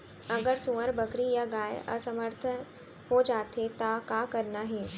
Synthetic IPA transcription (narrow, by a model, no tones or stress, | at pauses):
əɡəɾsuʋəɾbəkɾijaɡaːj̰ə̰səməɾt̪ʰən | hod͡ʒaːt̪ʰet̪akakəɾnaɦe